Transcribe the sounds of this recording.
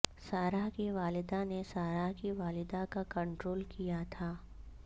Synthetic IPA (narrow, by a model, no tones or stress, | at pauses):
saːɾaɦkiʋaːlɪd̪anesaːɾaɦkiʋaːlɪd̪akakɐ̃ɳʈɾoːlkijat̪ʰaː